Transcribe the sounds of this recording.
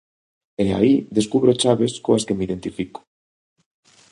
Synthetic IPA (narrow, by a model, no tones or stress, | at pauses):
ea̰iðeskuβɾot͡ʃaβeskoaskemiðent̪ifiko̥